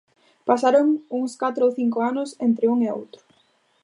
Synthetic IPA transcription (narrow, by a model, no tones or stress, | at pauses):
pasaɾoŋuŋskat̪ɾooθiŋkʊanʊsent̪ɾɪuŋeo̰wt̪ɾʊ̥